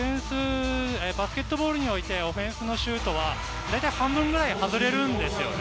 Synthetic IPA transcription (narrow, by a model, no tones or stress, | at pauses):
ẽɰ̃sɨebasɨ̥kʲe̞t̪ːo̞bo̞ːɾɯ̟ɲ̟io̞it̪e̞o̞ɸẽ̞ɰ̃sɨno̞ɕɨːt̪o̞βa | d̪aijt̪aihãmbɯ̟̃ŋɡɯ̟ɾaihazɨɾe̞ɾɯ̟̃nd̪e̞sɨjo̞̰ne